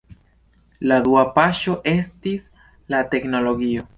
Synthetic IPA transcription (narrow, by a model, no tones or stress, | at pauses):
lad̪uapaʃo̞ʔe̞stis | late̞kno̞lo̞ɡio̞